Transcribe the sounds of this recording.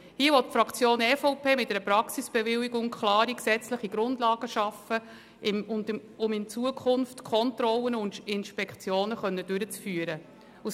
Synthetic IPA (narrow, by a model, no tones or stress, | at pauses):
hiəʋɔttfɾɑkt͡sjoːnɛfɔwpeːmɪt̚dɛɾəpɾɑksisb̥ɛvɪliɡʊŋkχlɑːɾiksɛt͡sləχiɡɾʊndlɑːɡ̥əʃɑfə | ɪʊndʊmɪnt͡suəkʰχʊnftkʰɔntɾɔlənʊnɪnʃpɛkt͡sjoːnəχœnːəd̥ʉɾət͡sfyːəɾə | us